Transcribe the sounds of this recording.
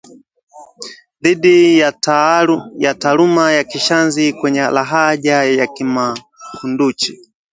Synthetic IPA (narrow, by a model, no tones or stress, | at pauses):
ðiɗi | jatalumajakiʃanzikwɛɲɛlaɦaʄajakima | kʰundut͡ʃi̥